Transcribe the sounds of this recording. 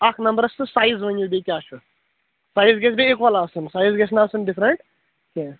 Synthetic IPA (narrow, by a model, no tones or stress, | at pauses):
ɐkʰnɐmbəɾɐsɨsaːjzʋɐɲjubekʲaːt͡ʃu | saːjzɡesbeːkʋɐlaːsɨnsaːjzɡesnaːsɨnɖifɾeɳʈ | ke